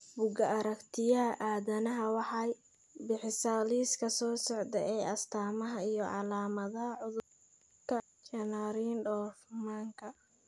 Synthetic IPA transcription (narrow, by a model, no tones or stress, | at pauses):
bʊɡɐɐɾɐkt̪ʰɪjɐɦɐʔaːðɐnɐɦɐwɑħɑj | bɪħɪsaːliːskʰɐsɔːsɔʕd̪ɛʔɛjɐst̪ʰaːmɐɦɐijɞʕɑ̰laːmɐðɐɦɐʕʊðʊb | kʰɐ | t͡ʃɐnaɾinɖɔːfmaːŋkʰɐ